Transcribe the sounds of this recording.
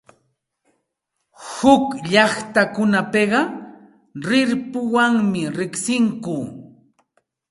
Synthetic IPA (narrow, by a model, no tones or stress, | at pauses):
hʊkʎɑχt̪akʊnapeɢɑ | ɾɪɾpʊwaŋmɪɾɪχsɪŋkʊː